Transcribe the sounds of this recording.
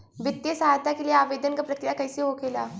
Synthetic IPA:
ʋɪt̪ːjəsɐɦaːjt̪akelieaːʋeːd̪ənkapɾɐkɾɪjakɐɪseɦokʰeːla̰ː

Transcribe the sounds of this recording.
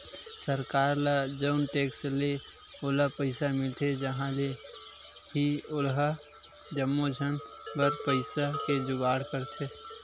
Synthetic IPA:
səɾkaːɾlad͡ʒəʊnʈeːksle | olapəɪsamɪlt̪ʰed͡ʒəɦãle | ɦiolɦə | d͡ʒəmːod͡ʒʱən | bəɾpəɪsaked͡ʒʊɡaːɽkəɾt̪ʰe

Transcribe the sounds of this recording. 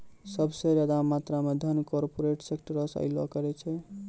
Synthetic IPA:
səbʱsed͡ʒad̪amat̪ɾamed̪ʱənkɔɾpoɾeʈsekʈəɾəsa̰ɪlɔ̰kəɾɛt͡ʃʰɛ

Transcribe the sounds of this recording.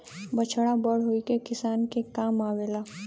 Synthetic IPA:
bət͡ʃʰɽabəɽ̤ɦoːikekɪsaːnkekaːmaːweːlaː

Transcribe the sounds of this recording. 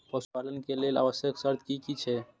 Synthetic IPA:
pəspalənkelela̰bəsjəksəɾt̪̚ʰkikit͡ʃʰɛ

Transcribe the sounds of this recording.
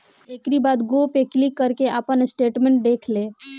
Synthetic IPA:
eːkɾibaːd̪ɡoːpeklikːəɾkeʔaːpənsʈeːʈmẽɳʈ̚ɖeːkʰleː

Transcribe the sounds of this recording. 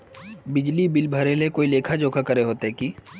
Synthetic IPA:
bɪd͡ʒlibɪlbʱəɾelekoːileːkʰad͡ʒoːkʰakɐɾeɦoːt̪eɦɛkiː

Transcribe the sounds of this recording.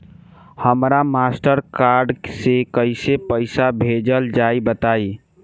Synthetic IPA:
həmɾamasʈəɾkaɾɖsekəɪsepəɪsabʱed͡ʒəld͡ʒaibət̪ai

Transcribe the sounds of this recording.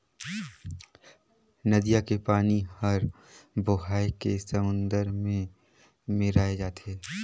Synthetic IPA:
nɐd̪ijakepaːnihɐɾ | bʊɦaːekesəmʊ̃nd̪əɾmẽ | mɪɾaːed͡ʒaːt̪ʰeː

